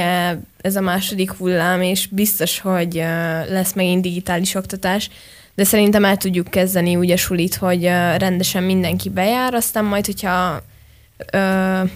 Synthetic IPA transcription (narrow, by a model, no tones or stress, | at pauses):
ɛ | ɛzɒmaːʃo̞d̪ikhulːaːmeːʃbist̪o̞ʃho̞ɟlɛsmɛɡind̪iɡit̪aːliʃo̞kt̪ɒt̪aːʃ | d̪ɛsɛɾint̪ɛmɛlt̪uɟːukːɛzd̪ɛniuːɟɛʃuliːt̪ho̞ɟørɛnd̪ɛʃɛmːind̪ɛŋkibɛjaːɾɒst̪aːmːɒjt̪ho̞chɒ | øː